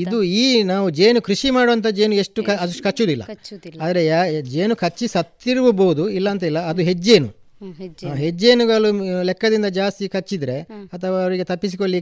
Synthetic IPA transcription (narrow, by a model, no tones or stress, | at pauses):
id̪uiːnaːʋud͡ʒe̞ːnukɾiʃimaːɽoɐnt̪ʰɐd͡ʒe̞ːnue̞ʂʈukkɐt͡ʃːud̪ilːɐ̰aːd̪ɐɾe̞d͡ʒe̞ːnukʰɐt͡ʃːisɐt̪ːiɾuʋuboːud̪uilːɐɐnt̪ɐilːɐːd̪uɦed͡ʒːeːnu | ɦed͡ʒːeːnuɡɐlːulɛkːɐd̪ind̪ɐd͡ʒaːst̪ikɐt͡ʃːid̪ɾe̞ɐt̪ʰɐʋaːʋɾiɡe̞t̪ɐpːisikoɭːi